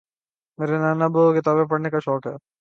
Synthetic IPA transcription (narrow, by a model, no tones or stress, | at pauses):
meːɾenaːnɐbokɪt̪aːbepɐɽnekaʃɔːkɦɛ̰ː